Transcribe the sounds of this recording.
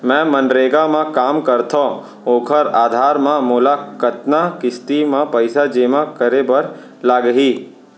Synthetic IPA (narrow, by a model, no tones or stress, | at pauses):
mɛ̃ːmənɾeːɡamãkaːmkəɾt̪ʰo | oːkʰəɾaːd̪ʱaːɾmãmʊːlakət̪nakɪst̪imãpəɪsad͡ʒeːmakəɾebɐɾ | laːɡɦiː